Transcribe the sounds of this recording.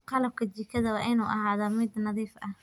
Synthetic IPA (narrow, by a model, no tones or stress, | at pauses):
qɑlɐb̚kʰɐt͡ʃɪkʰɐðɐwɑːʔɪnuːʔɑhaːðɐmɪd̪nɑðiːfʔɐh